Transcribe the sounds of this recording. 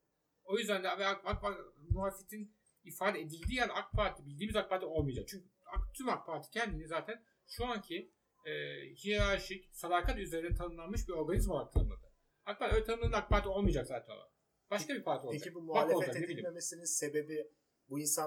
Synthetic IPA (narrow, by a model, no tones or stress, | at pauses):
o̞jyzd̪ænd̪ɛvɛakak̚amuɦaːlʲfet̪ʰin | ifaːd̪ɛed̪ilʲd̪ʲiːjænakpʰaɾt̪ʰibilʲd̪iːmizak̚pʰaɾt̪ʰio̞lˠmijd͡ʒak̚t͡ʃʰyɲcʰyakt̪ʰymak̚pʰaɾt̪ʰi̥cʰɛnd̪inizaːt̪ʰæn | ʃuaɲcʰi | ɛːhiɾaʃicsad̪aːkʰat̪yzeɾind̪ɛt̪ʰanɯnlˠanmɯʃbiɾo̞ɾɡanizmoak̚t̪ʰanɯmlˠad̪ɯ | ak̚pʰaɾølʲɛt̪anɯmˠanɯnak̚pʰaɾt̪ʰio̞lˠmɯjd͡ʒakzaːt̪ʰæno̰a̰ | b̥aʃkabiɾpʰaɾt̪ʰiod͡ʒabumubaleolˠd͡ʒakneilʲimemesininse̞be̞bi | buinsa